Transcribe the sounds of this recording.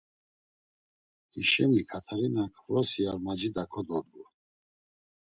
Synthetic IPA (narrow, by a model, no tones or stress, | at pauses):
iʃɛnikʰat̪ʰaɾinakʰvɾɔsiaɾmad͡ʒid̪akʰɔd̪ɔd̪ɡu